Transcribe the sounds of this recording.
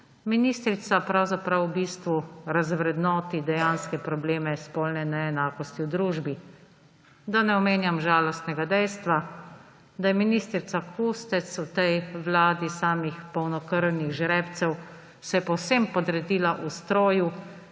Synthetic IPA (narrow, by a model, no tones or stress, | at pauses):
minist̪ɾit̪sapɾawzapɾawbiːst̪ʋuɾazʋɾɛd̪nɔːt̪id̪ɛjanskɛpɾɔbleːmɛspɔlnɛnɛːnaːkɔst̪iwd̪ɾuːʒbi | d̪anɛɔmeːnjamʒaːlɔst̪nɛɡad̪ɛjst̪ʋa | d̪ajɛminiːst̪ɾit̪sakust̪ɛt̪sut̪ɛjʋlaːd̪isaːmixpɔwnɔkəɾwniɣʒɾɛpt̪sɛw | sɛjɛpɔwsempɔd̪ɾɛd̪iːlaʔust̪ɾoːju